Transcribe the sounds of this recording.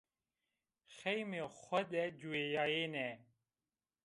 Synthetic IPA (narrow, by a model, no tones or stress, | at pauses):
xɛjmexʷɐd̪ɛd͡ʒuejaːjeːnɛ